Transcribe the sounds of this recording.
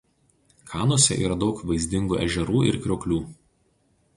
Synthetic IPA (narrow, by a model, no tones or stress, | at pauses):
kʰɑːnoɔsʲɛ̰ʔḭːɾɐd̪ɒʊkʋɐɪzʲd̪ʲɪŋɡuːʔɛ̰ʒʲɛɾuːɪ̰ɾkʲɾʲoːkʲlʲuː